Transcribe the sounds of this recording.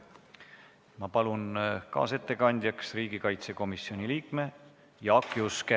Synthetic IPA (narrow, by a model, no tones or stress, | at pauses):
mɑpɑlunkɑ̰ːse̞t̪ːe̞kɑnʲd̪̥ʲjɑksriːɡikɑjt̪se̞ko̞misio̞nʲiliːkme̞ | jɑɑkˑjuskæ